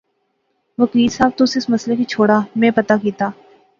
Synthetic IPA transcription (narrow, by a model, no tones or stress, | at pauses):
ʋɐkiːlsaːb̚t̪ʊsɪsmɐslekit͡ʃʰoːɽamɛ̃ːpɐt̪akiːt̪aː